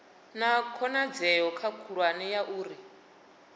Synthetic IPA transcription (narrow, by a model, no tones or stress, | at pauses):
nakʰɔnad͡zɛjɔkʰakʰuɺwanijaʔuːɾi